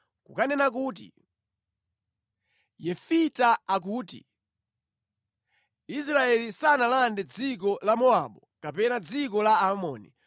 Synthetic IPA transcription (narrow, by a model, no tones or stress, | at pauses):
kukanɛnakuːt̬ḭ | jɛfitaak̬uːtḭ | is̬ɾaɛlisanalandɛd͡zik̬ɔlamɔaɓɔkapɛnad͡zik̬ɔlaamɔ̰ːni